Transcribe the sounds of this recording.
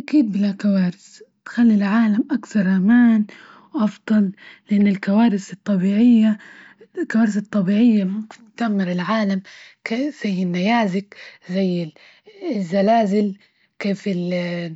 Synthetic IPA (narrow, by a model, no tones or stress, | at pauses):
ʔakiːd̪̚bɪlakawaːɾɪst̪xalːilʕaːlamʔakθɑɾˤʔamaːn | wʔɑfd̪ˤɑlːɪʔanːɪlkawaːɾɪsɨt̪ˤːɑbiːʕɪjːa | lkawaːɾɪsɨt̪ˤːɑbiːʕɪjːamʊmkɪnt̪amːɪɾɪlʕaːlamkez̥ajːɪnːajaːzɪkzajːɪ | zːalaːzɪl | keːfɪl